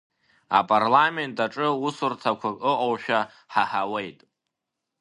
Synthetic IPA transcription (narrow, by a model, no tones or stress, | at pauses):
a̰pʼarlame̞ntʰʼaʈ͡ʂʼɨusɨrtʰakʷʰaɨʔʼowʃᶣa | ħaħawejtʼ